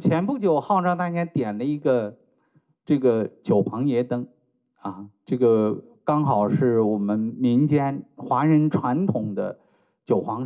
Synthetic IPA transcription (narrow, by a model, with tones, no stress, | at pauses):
t͡ɕʰjɛ˧˥npu˥˩t͡ɕjo˨˩ʊxɑ˥˧ʊʈ͡ʂɑ˥˧ŋt̪a˥t͡ɕjɛ˥nt̪jɛ˨˩nlə˦i˧˥ɡə˧ | ʈ͡ʂɤ˥˩ɡə˩t͡ɕjo˨˩ʊpʰɑ˧˥ŋjɛ˧˥t̪ɤ˥ŋ | ɐ˥˧ʈ͡ʂɤ˥˩ɡə˩ | kɑ˥ŋxɑ˨˩ʊʂɻ̩˥˩wɔ˨˩mə˦nmi˧˥ŋt͡ɕjɛ˥nxwa˧˥ɻə˧˥nʈ͡ʂʰwa˧˥nt̪ʰʊ˨˩ŋd̪ə̰˦ | t͡ɕjo˨˩ʊxɑ˧˥ŋ